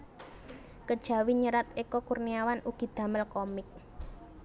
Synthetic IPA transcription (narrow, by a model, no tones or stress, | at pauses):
kəd̥ʒ̥a̤wiɲəɾat̪ekɔkurniawanʔuɡ̥i̤d̪̥ä̤məlkɔmɪk̚